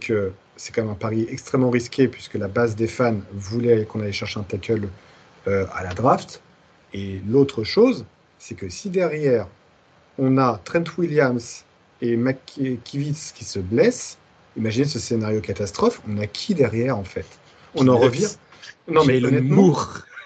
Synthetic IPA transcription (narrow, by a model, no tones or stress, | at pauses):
kʰə | sɛ̥kɑ̃mɛmɛ̃paʁiɛkst̪χɛmːɑ̃ʁiskʲepɥiskəlabazd̪efanvulɛkɔ̃naleʃɛʁʃeɛ̃t̪akʰʲœl | øa̰lad̪ʁaft̪ | elot̪χəʃoz | sɛkəsid̪ɛʁjɛʁ | ɔ̃nat̪χɛ̃nt̪wiljams | emakːivit̪skʲi̥səblɛs | imaʒinesəsenaʁjokat̪ast̪χɔfɔ̃nakʲʰid̪ɛʁjɛʁɑ̃fɛt̪ | ɔ̃nɑ̃ʁəvjɛ̃ | nɔ̃mɛnɛmmuʁ